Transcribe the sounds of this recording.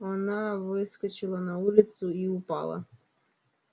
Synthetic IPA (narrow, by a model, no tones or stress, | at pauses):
ɔnɑʋɪskɔt͡ʃɪlˠɐnɐulʲɪt̪sʊiʊpɑ̰lˠɐ̰